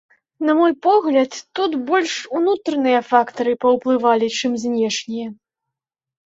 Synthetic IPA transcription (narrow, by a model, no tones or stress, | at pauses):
nɐmɔjpɔɣlʲɐt̪ːut̪bɔlʲʂunut̪ɾɐnɨjɐfakt̪ɐɾɨpɐwplˠɨvalʲit͡ʂɨmzʲnʲɛʂnʲijɐ